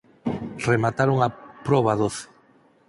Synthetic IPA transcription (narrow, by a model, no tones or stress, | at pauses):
remat̪aɾoŋapɾɔβaðoθe̥